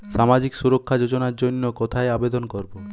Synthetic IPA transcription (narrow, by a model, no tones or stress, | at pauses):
ʃamad͡ʑiksuɾokʰːad͡ʑod͡ʑonaɾd͡ʑonːokot̪ʰaeabed̪onkoɾbo